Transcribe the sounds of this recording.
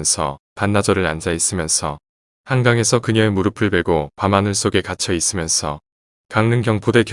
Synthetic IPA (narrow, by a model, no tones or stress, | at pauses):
nsʰʌ | panːad͡ʑʌɾɯɾand͡ʑais͈ɯmjʌnsʰʌ | haŋɡaŋe̞sʰʌkɯɲʌemuɾɯpʰɯɭbe̞ɡopamanɯɭs͈oɡe̞kat͡ɕʰʌis͈ɯmjʌnsʰʌ | kaŋnɯŋɡjʌŋpode̞k